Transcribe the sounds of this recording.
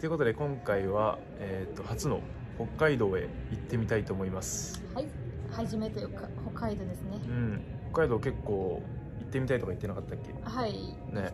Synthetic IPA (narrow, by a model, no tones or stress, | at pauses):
t̪e̞i̟ko̞t̪o̞d̪e̞kõ̞ŋkaiβa | et̪ːo̞hat͡sɨno̞̰ | ho̞kːaid̪o̞ːe̞̰it̪ːe̞mʲit̪ait̪o̞ːmo̞imasɨ̥ | haihaʑime̞t̪eokaho̞kːaid̪o̞ːd̪esɨneɯ̟̃ɴhokːaid̪o̞ːke̞kːo̞ː | it̪ːe̞mʲit̪ait̪o̞kai̥t̪ːe̞nakat̪ːakʲːe̞̰hai | ne̞